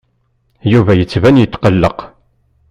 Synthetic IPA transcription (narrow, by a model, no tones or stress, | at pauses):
juvæjət͡sːvænjət̪ːqəlːəq